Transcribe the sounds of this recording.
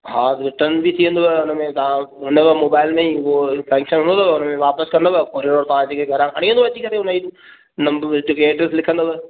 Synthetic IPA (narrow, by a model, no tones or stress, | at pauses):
ɦaːzʋɪʈənbit̪ʰiə̃nd̪oʋɛʊnəmẽt̪ɐʋãɦɪnəʋəmoːbaːɪlmẽofɛ̃ːŋkʃənɦʊ̃nd̪ot̪ːʋʊnəmẽʋaːpəskɐ̃nd̪oʋəkoːɾiɖoːɾt̪ɐʋ̤ãd͡ʑeːkʰeɡʱɐɾãːkʰɐɽ̃ĩːə̃nd̪oʋɐt͡ɕikɐɾeʊnəi | nɐmbd͡ʑʊkeeːɖɾeslɪkʰə̃nd̪oʋə